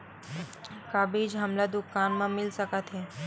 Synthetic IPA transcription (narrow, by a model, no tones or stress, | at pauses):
kaːbiːd͡ʒɦɐmlad̪ʊkaːnmãmɪlsəkət̪ɦeː